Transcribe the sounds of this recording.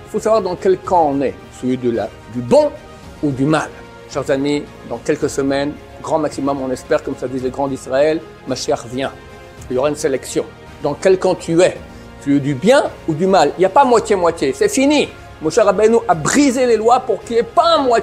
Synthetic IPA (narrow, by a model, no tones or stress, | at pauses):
ilfosavwaʁd̪ɑ̃kʲɛlkɑ̃nɛ | səid̪əla̰ | d̪ybɔ̃ | ud̪ymal | ʃɛʁzami | d̪ɑ̃kʲɛlkəsəmɛn | ɡʁɑ̃maksimɔmɔ̃nɛspɛʁkɔmsad̪izleɡʁɑ̃d̪isʁaɛl | maʃɛʁvjɛ̃ | iljɔʁaynselɛksjɔ̃ | d̪ɑ̃kʲɛlkɑ̃t̪ʰyɛ | t̪yɛd̪ybjɛ̃ud̪ymaliljapamwat̪jemwat̪jesɛfini | mɔ̃ʃɛʁabɛlnuʔabʁizelelwapuʁkiɛpaɛ̃mwa